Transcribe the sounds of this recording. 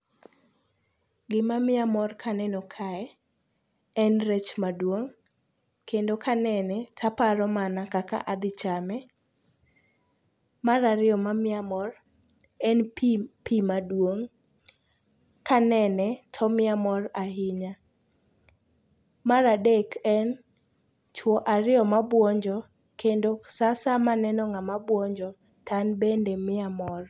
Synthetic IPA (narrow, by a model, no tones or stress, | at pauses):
ɡɪmamɪamɔrkʰanɛnɔkʰaɛ | ɛnɾet͡ʃmadwoŋ | kendokanɛnɛtʰapaɾɔmanakaka̰ʔad̪ɪt͡ʃamɛ | maɾaɾɪɔmamɪamɔr | ɛnppimadwoŋ | kanɛnɛtʰɔmɪamɔrahɪɲa | maɾadekɛn | t͡ʃwɔʔaɾɪɔmabwɔɲd͡ʒɔ | kendosasamanɛnɔŋamabwɔɲd͡ʒɔ | tʰanbendemɪamɔr